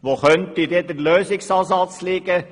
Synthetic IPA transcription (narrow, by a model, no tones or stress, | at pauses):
ʋoχœntid̪ed̪əɾløːsɪksɑːsɑt͡slɪɡ̥ə